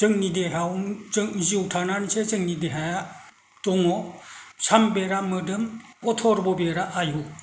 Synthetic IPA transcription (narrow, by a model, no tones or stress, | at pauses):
zɯŋnideɦawɯŋziwtʰanansezɯŋnideɦaja | tɔŋɔsambeɾamɯdɯmɔtʰɔɾbɔbeɾaʔaju